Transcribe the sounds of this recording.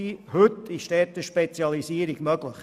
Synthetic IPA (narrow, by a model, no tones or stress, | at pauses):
ihʉt̪ɪʃtɛːtəʃpet͡sjɑlisiəɾiɡ̥mœɡ̥ləχ